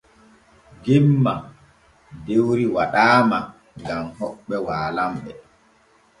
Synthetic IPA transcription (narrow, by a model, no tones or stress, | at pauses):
d͡ʒimːa | dewɾiwaɗaːma | ɡamhɔɓːɛwaːlamɓɛ